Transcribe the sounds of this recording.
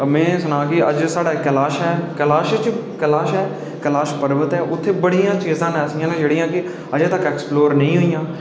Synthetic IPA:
mɛ̃ːsʊnãːkɪəd͡ʒsaːɖaːkːəlaːʃɦɛːkəlaːʃt͡ʃkəlaːʃɦɛː | kəlaːʃpəɾbət̪ɦɛːʔʊt̪ʰːeːbəɽijãːt͡ʃiːzãːnɛːsɪjãːlẽd͡ʒeːɽɪjãːkɪ | əd͡ʒt̪əkːɛːksploːɾnə̃ĩːɦoːijãː

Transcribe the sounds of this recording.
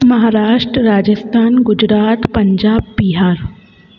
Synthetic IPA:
mɐɦaːɾaːʃʈɾəɾaːd͡ʒəst̪ʰaːnɡʊd͡ʒɾaːt̪pɐɲd͡ʒaːb̚biɦaːɾ

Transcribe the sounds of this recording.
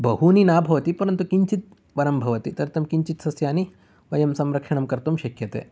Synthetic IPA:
bɐɦuninaːbʱɐʋɐt̪ipɐɾɐnt̪ukiɲt͡ʃit̪̚ | ʋɐɾɐmbʱɐʋɐt̪it̪ɐɾt̪ʰɐmkiɲt͡ʃit̪sɐsjaːni | ʋɐjɐmsɐmɾɐkʂɐɳɐmkɐɾt̪umʃɐkʰjɐt̪ḛː

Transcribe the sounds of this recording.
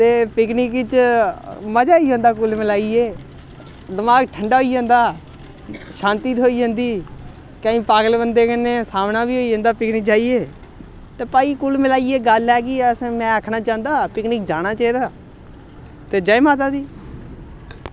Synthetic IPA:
t̪eːpɪknɪkɪt͡ʃ | məd͡ʒaːiːd͡ʒãːnd̪aːkʊlmɪlaːieː | d̪əmaːɡʈʰəɳɖaːɦoiːd͡ʒãːnd̪aː | ʃãːnt̪iːt̪ɦoːiːd͡ʒə̃ːnd̪iː | kaːĩːpaːɡəlbənd̪eːkənːeːsaːmnãːbiːɦoːiːd͡ʒə̃ːnd̪aːpɪknɪk̚d͡ʒaːiːeː | t̪eːpaːiːkʊlmɪlaːieːɡəlɛːkɪəsmɛ̃ːəkʰnaːt͡ʃãːnd̪aːpɪknɪk̚d͡ʒaːñaːt͡ʃaːiːd̪aː | t̪eːd͡ʒaemaːt̪̬aːd̪iː

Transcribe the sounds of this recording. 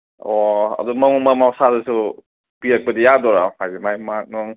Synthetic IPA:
ɔɐ̰dumɐmumamawsazasu | piɾɐk̚pɐdijadɔɾahajzemajmak̚nɔŋ

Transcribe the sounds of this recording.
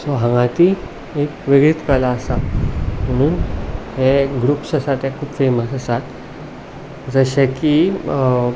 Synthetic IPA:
sɔɦãŋɡãt̪i | ekʋeɡɾit̪kəlaəsam̤əɽ̃uːnheɡɾuːpsəsat̪ekʰuːpfeməsəsat̪ | d͡zəɕeki

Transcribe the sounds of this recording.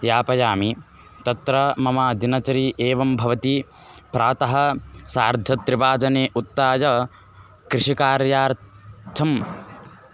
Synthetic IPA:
jaːpɐjaːmi | t̪ɐt̪ɾɐmɐmaːd̪inɐt͡ʃɐɾiʔeːʋɐmbʱɐʋɐt̪i | pɾaːt̪ɐɦɐ̆saːɾd̪ʱɐt̪ːɾiʋaːd͡ʒɐneːʔut̪ːaːjɐ | kɾiʂikaːɾjaːɾt̪ʰɐm

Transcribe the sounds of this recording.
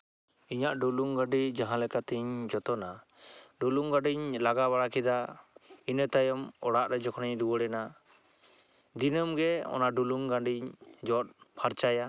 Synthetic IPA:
iɲaʔɖuluŋɡaɖid͡ʒaɦãlɛkat̪iɲd͡ʒɔt̪ɔna | ɖuluŋɡaɖiɲlaɡaβaɽakid̪ainət̪ajɔmɔɽaʔɾɛd͡ʒɔkʰɔniɲd̪ubəɽɛna | d̪inəmɡɛɔ̰naɖuluŋɡãɳɖiɲd͡ʒɔt̪̚pʰaɾt͡ʃaja

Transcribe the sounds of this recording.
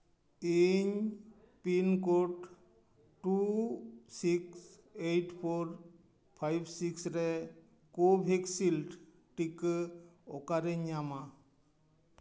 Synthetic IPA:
eɲ | pinkoʈ | ʈu | siks | eʈpʰoɾ | pʰajbsiksɾe | kobʱeksilʈ | ʈik | ɔkaɾeɲːama

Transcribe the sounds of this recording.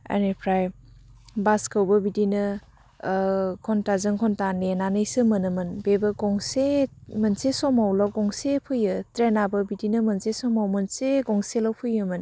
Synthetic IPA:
a̰nepʰɾaj | baskɯwbɐbidinɯ | kʰɔntazɯŋkʰɔntanenanɯjsɯmɯnɯmɯnbebɐɡɔŋsemɐnsesɔmawlɔɡɔŋsepʰɯjɯtɾenabɐbidinɯmɐnsesɔmawmɯnseɡɔŋselɔwpʰɯjɯmɯn

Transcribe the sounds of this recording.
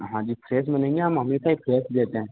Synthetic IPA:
ɦãd͡ʑiːpʰɾes̬m̤ənẽŋɡiamamiːkaɦifʰɾesd̪et̪ã

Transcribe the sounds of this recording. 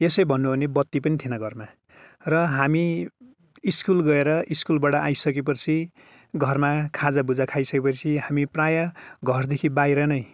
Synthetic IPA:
esʌjbʱʌnːuɦonebʌt̪ːipʌnit̪ʰinʌɡʱʌrma | rʌɦami | iskulɡʌeɾʌʔiskulbaʈʌʔajsʌk̬ep̬ʌrt͡sʰi | ɡʱʌrmakʰad͡zabud͡zakʰajsʌkepʌt͡sʰiɦamiprajʌɡʱʌrd̪ekʰibajɾʌnʌj

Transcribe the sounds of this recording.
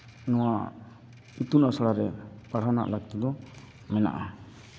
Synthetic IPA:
nɔ̃wa | it̪unasaɽaɾɛpaɽ̤awna̰ʔlaɡ̚t̪ɔd̪ɔ | mɛna̰ʔa

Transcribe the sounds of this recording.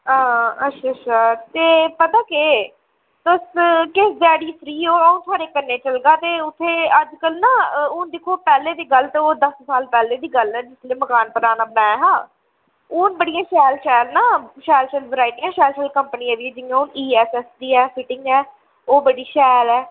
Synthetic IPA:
aːətːʃʰaːətːʃʰaːt̪eːpət̪aːkeː | t̪ʊskɪsd͡ʒaːɽiːfʰɾiːoːəũːt̪ʰaːɾeːkənːeːt͡ʃəlɡaːt̪eːʊt̪ʰːeːəd͡ʒkəlnaːʊnd̪ɪkʰːoːpɛːleːd̪iːɡəlt̪eːoːd̪əssaːlpɛːleːd̪iːɡəlɛːd͡ʒɪsleːməkaːnpəɾaːnaːbəɽãːɛːɦãː | ʊːnbəɽijãːʃɛːlʃɛːlnaːʃɛːlʃɛlʋəɾaːɪʈiːãːʃɛːlʃɛːlkəmpəniːãːd̪iːɛːd͡ʒɪjãːʊniːɛːsɛːsd̪iːɛːpʰɪʈɪ̃ŋɡɛː | oːbəɽiːʃɛːlɛː

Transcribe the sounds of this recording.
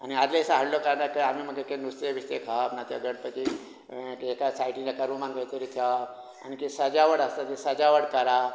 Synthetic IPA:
aniad͡zlasaɦəɽlokaɾnaɾkaam̤iːməɡekẽnust̪eʋist̪ekʰapnat̪jaɡəɽpət̪i | kekasaiʈĩnd͡ʑakəɾũmãŋɡ̪ajt̪əɾit̪ʰja | a̰nikisəd͡ʑaʋəɽəst̪at̪esəd͡ʑaʋəɽkəɾa

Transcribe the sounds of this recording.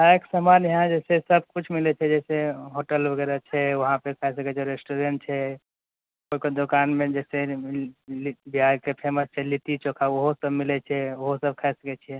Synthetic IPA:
aeksəmanɦãd͡ʒɛsesəb̚ʱkut͡ʃʰmilɛt͡ʃʰɛd͡ʒɛseɦoʈəlbʱəɡɛɾat͡ʃʰɛʋəɦãpekʰaɛs̬əkɛt͡ʃʰɛɾesʈoɾeɳʈ̚t͡ʃʰɛ | koɦikod̪okanmẽd͡ʒɛse | biɦaɡkepʰeməst͡ʃʰɛlit̪it͡ʃokʰaoɦosəbmilɛt͡ʃʰɛoɦosəb̚kʰaɛsəkɛt͡ʃʰɛ

